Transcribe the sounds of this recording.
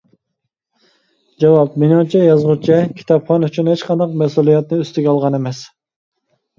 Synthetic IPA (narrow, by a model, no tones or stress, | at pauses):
d͡ʒɑwɑp̚menɑt͡ʃʰɛjɑzʁut͡ʃʰɛkʲʰi̥t̪ʰɑpχɑnyt͡ʃʰynhet͡ʃqʰɑnd̪ɑq̚mɛsulˠijɛt̪nɨøst̪ɪɡʲɛɑlˠʁɑnemɛs